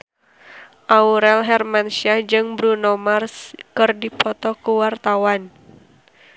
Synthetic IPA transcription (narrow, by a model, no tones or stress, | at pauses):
ʔauɾɛlɦɛrmansiad͡ʒɨŋbɾunɔmarskɨrdipɔt̪ɔkuwart̪awan